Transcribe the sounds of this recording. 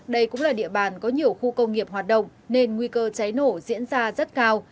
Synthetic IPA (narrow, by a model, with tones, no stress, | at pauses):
ɗə˧jkʊ̰˧˥ŋ͡mlaː˨˩ɗḭ˧˨əɓaː˨˩nkɔ˨˦ɲi˨˩əwxu˧kə˧wŋ͡mŋi˨˩əp̚haː˨˩t̚ɗə̰˧˨wŋ͡mne˧nŋwi˧kəː˧t͡ɕa˨˦jno˧˩zḭ˧˥ənzaː˧zə˦˥t̚kaː˧w